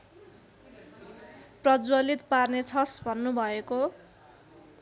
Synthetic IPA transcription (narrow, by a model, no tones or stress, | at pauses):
prʌd͡zwʌlit̪parnet͡sʰʌsbʱʌnːubʱʌeko